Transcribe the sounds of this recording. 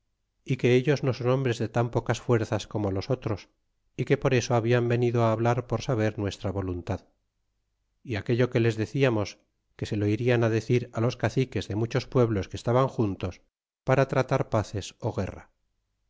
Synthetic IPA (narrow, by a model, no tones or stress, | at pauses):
ike̞eʎo̞zno̞so̞no̞mbɾe̞zðe̞t̪ampo̞kasfwe̞ɾθasko̞molo̞so̞t̪ɾo̞s | ike̞po̞ɾe̞so̞aβiambe̞niðoaːβ̞laɾpo̞ɾsaβ̞e̞ɾnwe̞st̪ɾaβo̞lunt̪að | iake̞ʎo̞ke̞le̞zðe̞θiamo̞s | ke̞se̞lo̞iɾianaðe̞θiɾalo̞skaθike̞zðe̞mut͡ʃo̞spwe̞βlo̞skeːst̪aβaŋxunt̪o̞s | paɾat̪ɾat̪aɾpaθe̞so̞ɣe̞̰ra̰